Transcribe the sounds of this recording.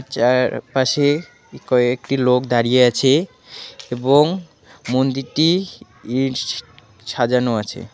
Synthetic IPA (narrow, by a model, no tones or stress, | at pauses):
t͡ɕapaʃe | kɔekʈilokd̪aɾijeat͡ɕʰe | eboŋ | mond̪iʈi | iɖ | ʃad͡ʑanoat͡ɕʰḛ